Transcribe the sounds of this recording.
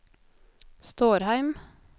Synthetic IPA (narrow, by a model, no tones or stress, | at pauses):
st̪oːɾhæɪm